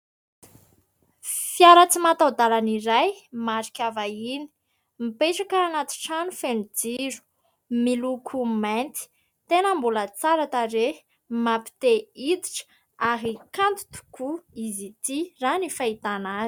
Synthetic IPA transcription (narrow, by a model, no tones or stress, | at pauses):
fjaɾat͡simat̪awd̪alaniɾajmaɾikʲavaini̥ | mipeʈ͡ʂakaːnat̪i̥ʈ͡ʂanufenud͡ziɾu̥ | milukʰumant̪i̥ | t̪enəmbulət͡saɾat̪aɾe | mapi̥t̪eid̪i̥ʈ͡ʂ | aɦikant̪u̥t̪u̥kuizit̪iranifait̪anazi̥